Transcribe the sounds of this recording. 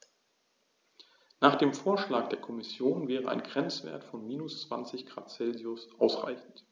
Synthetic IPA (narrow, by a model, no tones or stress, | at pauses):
naːχd̥eːmfoːɐʃlaːk̚d̥eːɐkʰɔmɪsjoːnvɛːʁəʔa̰ɪnɡʁɛnt͡sv̥ḛːɐtfɔnmiːnʊst͡sv̥a̰nt͡sɪçɡ̥ʁa̰ːtt͡sɛlziʊsʔaʊsʁa̰ɪçn̩t